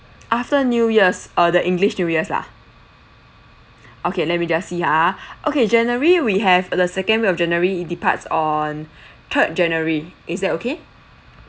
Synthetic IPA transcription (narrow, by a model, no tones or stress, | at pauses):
ʔaftənjujəsədəʔĩŋɡliʃnjujəsla̰ | ʔokʰelɛt̚mid͡ʒasːihaʔoked͡ʒɛnəɹiwiɦɛvdəsɛkə̃nweɔfd͡ʒɛ̃nəɹiːt̚dipa̰tsɔ̃n | t̪ʰət̚d͡ʒɛ̃nəɹiʔɪsdɛtokʰe